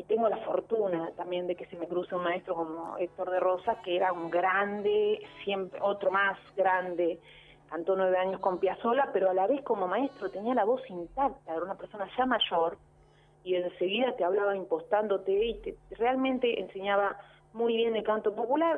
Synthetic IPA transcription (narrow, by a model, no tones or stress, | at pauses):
it̪eŋɡo̞lafo̞ɾt̪unat̪ambje̞nd̪e̞kesemekɾuseunmaest̪ɾo̞ko̞mo̰ek̚t̪oɾðero̞sakeeɾauŋɡɾand̪esjempɾḛʔot̪ɾomasɡɾand̪e | kant̪o̞nwe̞βeaɲo̞sko̞mpjaso̞lapeɾoalaβe̞sko̞mo̞maest̪ɾot̪e̞nialaβo̞sint̪ak̚t̪aeɾaunapeɾso̞naʒamaʒoɾ | ie̞nse̞ɣiðat̪eaβ̞laβaimpo̞st̪and̪ot̪eit̪erealmẽnt̪eʔense̞ɲaβa | mujβje̞nd̪ekant̪opopulaɾ